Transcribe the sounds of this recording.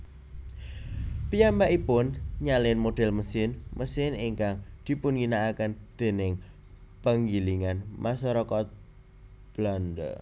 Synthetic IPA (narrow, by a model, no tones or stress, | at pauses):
pijambaʔipʊnɲalɪnmoɖ̥ɛ̤lməsɪnməsɪniŋkaŋd̪̥i̤pʊnŋinaːkənd̪̥e̤nɪŋ | pəŋɡiliŋanmʔasɔɾɔkɔt̪̚ | b̥landə̰